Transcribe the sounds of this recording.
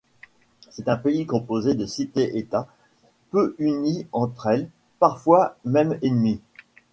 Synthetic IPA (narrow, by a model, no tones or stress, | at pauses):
sɛt̪ɛ̃peikɔ̃pozed̪əsit̪eʔet̪a | pøʔyniɑ̃t̪χɛl | paʁfwamɛmenmi